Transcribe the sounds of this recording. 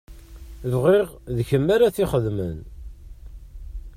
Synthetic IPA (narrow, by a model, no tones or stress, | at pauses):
vʁiʁðçəmːaɾaθiχəðmə̰n